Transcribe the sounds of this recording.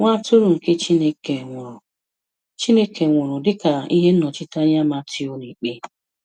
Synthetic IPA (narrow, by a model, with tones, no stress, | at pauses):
ŋʷa˦tʊ˦ɾʊ˨ŋ̩˨ke˦t͡ʃi˦ne˦ke˨ŋʷʊ˨ɾʊ˨ | t͡ʃi˦ne˦kʰe˨ŋʷʊ˨ɾʊ˨dɪ˦ka˨i˦ɦe˦n̩˦nɔ˨t͡ʃɪ˦ta˦ɲa˦ma˦tɪ˦o˦ne˨k͡pe˦